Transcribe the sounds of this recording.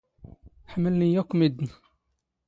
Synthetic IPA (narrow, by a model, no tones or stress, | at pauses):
ħməlnijækːmid̪ni